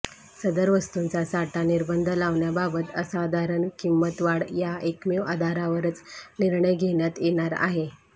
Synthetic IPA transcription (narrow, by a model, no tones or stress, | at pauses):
səd̪əɾʋəst̪unt͡sasaʈaniɾbənd̪ʱəlaʋɳjababət̪əsaːd̪ʱaɾəɳkimːət̪ʋaɽjaekmeʋad̪ʱaɾaʋəɾət͡sniɾɳəjɡʱeɳjat̪jeɽ̃aɾa̰ɦe